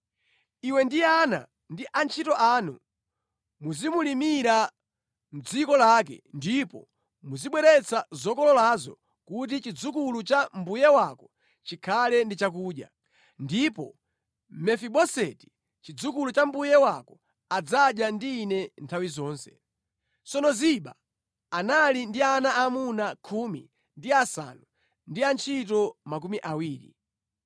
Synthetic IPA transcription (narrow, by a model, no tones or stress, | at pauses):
iwɛndiana̰ | ndiʔant͡ʃʰitɔʔaːnu | muzimulimiɾa | m̩d͡zikɔlak̬ɛ̰ndipɔ̰ | muziɓwɛɾɛt͡sazɔkɔlɔlazɔ̰ | kutit͡ʃid͡zukulut͡ʃambujɛwakɔ | t͡ʃikʰalɛndit͡ʃakuːɗja̰ | ndipɔ | mɛfiɓɔsɛti̥ | t͡ʃid͡zukulut͡ʃambujɛwakɔ | ad͡zaɗjandiːnɛntʰawizɔːnsɛ̥ | t͡sɔnɔziɓa̰ː | nalindianaːmunakʰuːmḭ | ndiasa̰nu | ndiant͡ʃʰit̬ɔmak̬umiʔawiːɾḭ